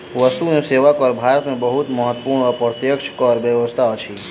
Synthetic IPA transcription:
ʋəst̪unĩseʋakɔɾbʱaɾət̪mẽbəɦut̪məɦət̪ːpuɾɳəpɾət̪jəkʃʰkɔɾʋəʋəst̪ʰaot͡ʃʰi

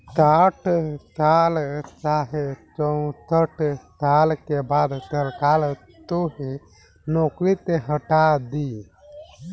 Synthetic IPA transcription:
t̪aːʈʰsaːlt͡ʃaːɦet͡ʃə̃t̪əʈʰtaːlkebaːd̪t̪əɾkaːl | t̪uɦi | noːkɾit̪eɦəʈad̪i

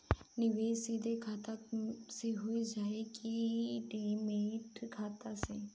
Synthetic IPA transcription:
nɪʋeːsiːd̪ʱekʰaːt̪aseɦoid͡ʒaːekiɖeːmẽt̪ʰkʰaːt̪ase

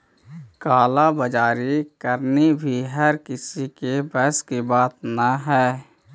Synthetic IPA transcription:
kaːlabəd͡ʒaːɾikəɾnibʱiɦəɾkɪsikebɛɦskibaːt̪naɦɛː

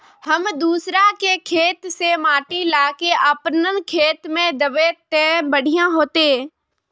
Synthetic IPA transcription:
həmd̪uːsɾakekʰeːt̪semaːʈilaːkeʔəpnən̆kʰeːt̪mẽd̪əʋet̪eːbəɽ̤ʱijãɦoːt̪eː

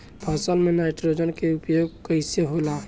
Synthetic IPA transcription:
bʰʱəsəlmenaɪʈɾod͡ʒənkeupjoɡkəɪseɦola

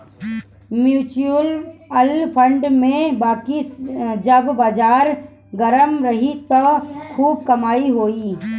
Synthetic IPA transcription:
mjuːt͡ʃuəlɐlpʰə̃ɳɖmẽbaːkid͡ʒəbbaːd͡ʒaːɾ | ɡəɾəmɾɐɦit̪ɐkʰuːb̚kɐmaːiɦoːiː

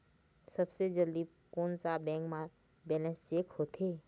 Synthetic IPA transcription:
səbsed͡ʒəld̪i | koːnsabɛ̃ːŋkmã | bɛːlɛ̃nsd͡ʒeːkhoːt̪ʰeː

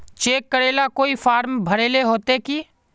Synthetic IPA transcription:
t͡ʃeːkːəɾeːlakoːifaːɾmbʱɐɾeːleɦoːt̪eki

